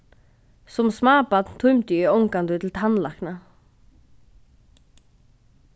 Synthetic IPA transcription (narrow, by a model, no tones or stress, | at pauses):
sʊmsmaːpat̪nt̪ʰʊmt̪ʏʏɔwŋkant̪ʏt̪ʰɪlt̪ʰanlahkna